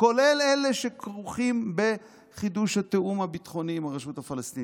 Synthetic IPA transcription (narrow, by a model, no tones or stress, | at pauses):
ko̞leleleʃekʁuχimbe̞ | χid̪uʃhat̪eʔumhabit̪χo̞niːmaʁaʃuthafalast̪in